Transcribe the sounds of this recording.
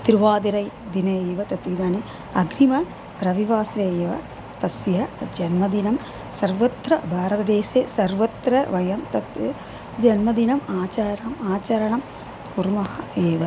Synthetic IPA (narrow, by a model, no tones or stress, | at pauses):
t̪ɾuʋaːd̪iɾɐjd̪inɐeːʋɐt̪ɐt̪id̪aːni | ɐɡɾimɐ | ɾɐʋiʋaːsɾeːjɐʋɐ̰ | t̪ɐsjɐd͡ʒɐnmɐd̪inɐm | sɐrʋɐt̪ɾɐbʱaːɾɐt̪ɐd̪eːseːsɐɾʋɐt̪ɾɐʋɐjɐmt̪ɐt̪ | d͡ʒɐnmɐd̪inɐmaːt͡ʃaːɾɐɐmaːt͡ʃɐɾɐɳɐm | kuɾmɐɦɐeːʋɐ